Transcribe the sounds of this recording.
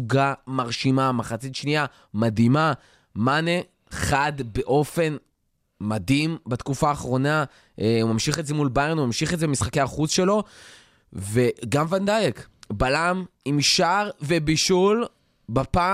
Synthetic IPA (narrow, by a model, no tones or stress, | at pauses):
uɡamaʁʃimamaχat͡sit̪ʃnia | madima | mane | χad̪be̞ʔo̞fe̞n | madimbat̪kufaːχʁo̞na | ʔemamʃiχezemulbajenumamʃiχezebmisχakeaχut͡sʃe̞lo̞ | ve̞ɡamvand̪ajekbalamimʃaʁve̞biʃul | bapa